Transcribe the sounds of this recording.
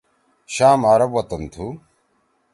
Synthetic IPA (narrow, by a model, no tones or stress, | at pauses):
ɕaːmaːɾɐbwɐt̪ɐnt̪ʰu